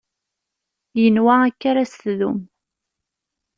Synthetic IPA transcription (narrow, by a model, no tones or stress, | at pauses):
jənwæækːaɾast̪ðṵm